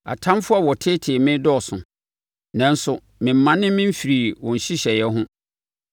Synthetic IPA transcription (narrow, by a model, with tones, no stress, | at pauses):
a̰˨tʰã˦m˦fʊ˦a˨wɔ˨tʰɪ˦tʰɪ˨mɪ̃˦dɔ˦˨sʊ̃˨ | nã˨n̩˦sʊ˨ | mɪ̃˨m̩ː˨ã˦nɪ̃˦mɪ̃˦m̩˦fi˨ɾi˨wɔ̃˨n˨ɕi˦ɕɛ˨jɛ˦ɦʊ̃˦